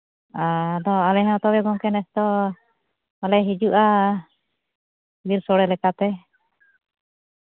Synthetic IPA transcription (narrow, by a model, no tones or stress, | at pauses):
ad̪ɔalɛɦɛw̃t̪ɔbɛɡɔŋkɛnɛst̪ɔ | alɛɦid͡ʒuʔa | biɾsɔɽɛlɛkat̪ɛ